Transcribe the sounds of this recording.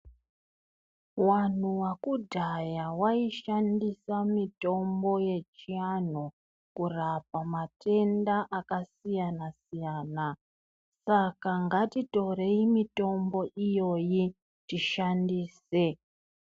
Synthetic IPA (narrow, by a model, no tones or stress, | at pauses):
wan̤uwakudʱajawaiʃandisamito̞mbo̞je̞t͡ʃian̤o | kurap̚amatʰe̞ndaʔakasijanasijaːna | sakaŋɡatito̞ɾe̞imito̞mbo̞ʔijo̞ji | tiʃandiːse